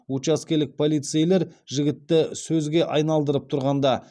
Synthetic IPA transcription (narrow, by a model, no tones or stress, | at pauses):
wut͡ʃɑskʲe̞lɪk̚pʰo̞lijt̪sijle̞ɾʒɪɡʲɪt̪ːɪsɵzɡʲe̞ʔɑjnɑlˠd̪əɾəp̚t̪ʰʊɾʁɑnd̪ɑ